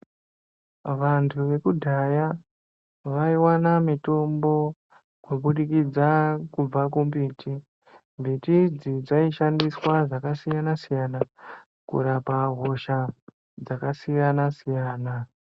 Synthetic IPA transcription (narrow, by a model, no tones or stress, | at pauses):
ʋantʰuʋe̞kudʱaja | ʋaiwanamito̞mbo̞ | kwoɓuɗikid͡zakub͡vakumbiːti | mbʱitid͡zid͡zaiʃandiswad͡zakasijanasijana | kṵɾapaɦo̞ʃa | d͡zakasijanasijaːna